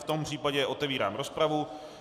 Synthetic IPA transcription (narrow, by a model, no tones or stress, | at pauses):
ft̪o̞mpr̥iːpaɟɛʔo̞t̪ɛviːɾa̰ːmɾo̞spɾavu